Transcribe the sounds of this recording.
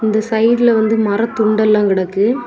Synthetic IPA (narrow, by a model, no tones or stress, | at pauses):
ɪnd̪ɐsɐjɾɪlɐʋɐnd̪ɯmɐɾɐt̪ʊɳɖɐlːãːkɪɽɐkːɯ